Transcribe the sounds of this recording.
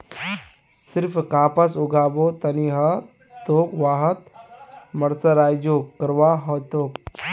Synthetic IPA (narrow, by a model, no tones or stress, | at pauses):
sɪɾpʰkaːpɐsuɡaːbot̪ɐniɦɐ | t̪oːkʋaːɦɐt̪ | mɐɾsɐɾaːjd͡ʒoːkkːɐɾʋaːɦɐt̪oːk